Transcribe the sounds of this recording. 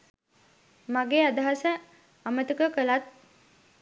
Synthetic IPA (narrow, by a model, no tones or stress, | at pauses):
maɡeːad̪aɦasə | amət̪əkəkəlat̪̚